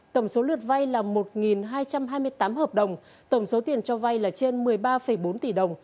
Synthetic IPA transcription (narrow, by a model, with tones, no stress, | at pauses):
t̪ə˧˩wŋ͡mso˨˦lɨ˨˩ət̚va˧jlaː˨˩mo˨˩t̚ŋi˨˩nɦaː˧jt͡ɕa˧mɦaː˧jmɨ˧əjt̪aː˨˦mhəː˨˩p̚ɗə˨˩wŋ͡m | t̪ə˧˩wŋ͡mso˨˦t̪i˨˩ənt͡ɕɔ˧va˧jlaː˨˩t͡ɕe˧nmɨ˨˩əjɓaː˧fə˧˩jɓo˨˦nt̪i˧˩ɗə˨˩wŋ͡m